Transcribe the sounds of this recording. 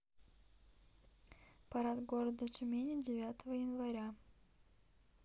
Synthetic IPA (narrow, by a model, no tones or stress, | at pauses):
pɐɾat̪ɡo̞ɾəd̪ət͡ʃʊmʲenʲɪdʲɪvʲæt̪əvəjɪnvɐɾʲa